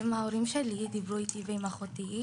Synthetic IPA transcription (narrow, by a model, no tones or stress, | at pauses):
maoɾimʃelid̪ibʁuit̪iveimaχot̪i